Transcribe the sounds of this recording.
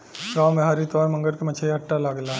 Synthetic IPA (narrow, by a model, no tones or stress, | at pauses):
kaːmeɦaːɾit̪ɔːɾmɐ̃ŋɡəɾkemɐt͡ʃʰaiɐʈːalaɡlaː